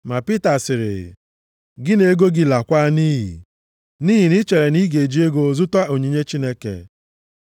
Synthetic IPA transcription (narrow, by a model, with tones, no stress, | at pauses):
ma˨pi˦ta˨sɪ˨ɾɪ̰˨ | ɡɪ˦ne˨˦ɡo˦ɡɪ˦la˨kʷa˦niː˦ɦḭ˨ | niː˦ɦi˨nɪ˦t͡ʃe˨ɾe˨ni˦ɡe˨d͡ʒi˦e˦ɡo˨zʊ˦ta˦o˨ɲi˨ɲe˦t͡ʃi˦ne˦kḛ˨